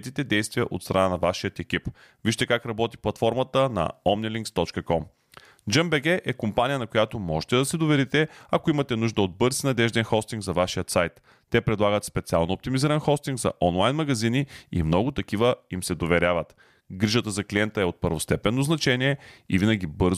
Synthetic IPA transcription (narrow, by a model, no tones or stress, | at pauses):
t̪it̪ɛd̪ɛjst̪vijəʔo̰t̪st̪ɾʔɐnanɐvaʃijət̪ɛkʲip | viʃt̪ɛkakɾɐbɔt̪i̥plˠɐt̪fɔɾmət̪ənɐ̰ɔmniliŋkst̪ɔt͡ʃkəkɔm | d͡ʒəmbɛɡɛʔɛkompanijənɐkojat̪omɔʒɛ̥t̪ɛd̪ɐsɛd̪ovɛɾit̪ɛɐkoimɐt̪ɛnuʒd̪əod̪̚bɤɾzinɐd̪ɛʒd̪ɛnxɔst̪iŋɡzɐvaʃijət̪sajt̪ː | ɛpɾɛd̪lˠaɡət̪spɛt̪sia̰lˠnoop̚t̪imiziɾənxɔst̪iŋɡzɐ̰ʔɔnlˠajnmɐɡɐziniḭmnɔɡʊt̪ɐk̟ivəimsɛd̪ovɛɾʲavət̪ | ɡɾiʒət̪əzɐkliɛnt̪əɛot̪̚pəɾvost̪ɛpɛnːoznɐt͡ʃɛnʲiɛḭvinɐɡ̟ʲibɤɾz